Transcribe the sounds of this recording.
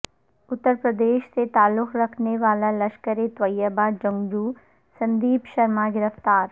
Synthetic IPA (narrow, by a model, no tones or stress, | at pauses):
ʊt̪ːəɾpɾəd̪eːʃset̪aːlːʊkʰɾɐkʰneʋaːlalɐʃkəɾet̪ʋɐjəbad͡ʒɐ̃ŋɡd͡ʒuː | sɐ̃nd̪iːpʃɐɾmaɡɪɾəft̪aːɾ